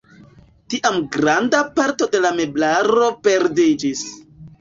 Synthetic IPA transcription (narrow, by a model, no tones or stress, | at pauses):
tiʔamɡɾandapaɾto̞de̞lame̞blaɾo̞pe̞ɾdid͡ʒis